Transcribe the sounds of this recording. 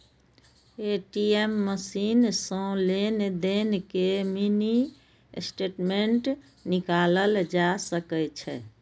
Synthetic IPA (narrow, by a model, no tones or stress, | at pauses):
eʈiemːəsinsə̃lened̪enkemini | sʈeːʈmeɳʈ | nikaləld͡ʒasəkɛt͡ʃʰɛ̰